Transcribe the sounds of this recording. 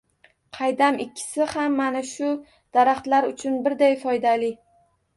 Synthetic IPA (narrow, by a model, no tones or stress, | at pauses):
qʰɑjd̪amɪkʲʰːɪ̥sɪhamːanaʃʊ | d̪̥aɾaχt̪laɾʊt͡ʃʰʊnbɪɾd̪ajfɒjd̪alɪ